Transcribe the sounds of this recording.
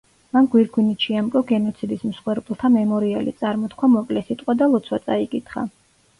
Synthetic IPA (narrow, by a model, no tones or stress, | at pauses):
manɡwiɾɡwinit͡ʃʰiamkʼɔɡɛnɔt̪sʰid̪ismsχwɛɾpʼlˠt̪ʰamɛmɔɾialḭt̪sʼaɾmɔt̪kʰwamɔkʼlɛsit̪ʼqʼwad̪alˠɔt̪sʰwat̪sʼaikʼit̪ʰχa̰